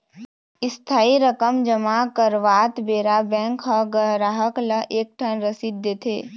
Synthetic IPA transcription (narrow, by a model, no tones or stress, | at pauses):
ɪst̪ʰaːiɾəkəmd͡ʒəmakəɾʋaːt̪beːɾabɛ̃ːŋkɦəɡəɦɾaɦəkləʔeːk̚ʈʰənɾəsid̪ʱːet̪ʰḛː